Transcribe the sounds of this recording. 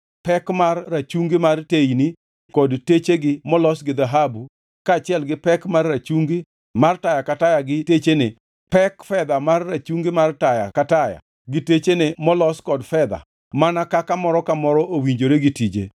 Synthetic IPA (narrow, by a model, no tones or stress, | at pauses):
pɛkmarːat͡ʃuŋɡimartejni | kɔdtet͡ʃeɡɪmɔlɔsɡɪd̪aɦabu | kaːt͡ʃɪɛlɡɪpɛkmarːat͡ʃuŋɡi | martajakatajaɡɪtet͡ʃene | pɛkfɛd̪amarːat͡ʃuŋɡɪmartaja̰kataja̰ | ɡɪtet͡ʃenemɔlɔskɔdfɛd̪a̰ | manakakamɔɾɔkamɔɾɔʔowiɲd͡ʒoɾeɡɪtid͡ʒḛ